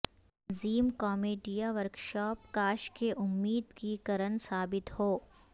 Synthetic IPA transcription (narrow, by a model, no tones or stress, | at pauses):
ziːmkɔːmeːɖijaʋəɾkʃɔːp̚kaːʃkeʔʊmːiːd̪kikɐɾənsaːbɪt̪hoː